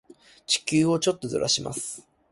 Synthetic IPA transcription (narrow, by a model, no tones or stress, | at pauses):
t͡ɕi̥kʲɨːo̞t͡ɕo̞t̪ːod̪o̰ɾʔa̰ɕima̰sɨ̥